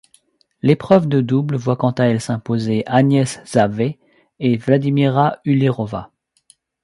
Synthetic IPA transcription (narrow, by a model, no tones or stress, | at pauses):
lepχœvd̪əd̪ublvwakɑ̃t̪aɛlsɛ̃pozeʔanjɛsz̥ave | evlad̪imiʁayleʁɔva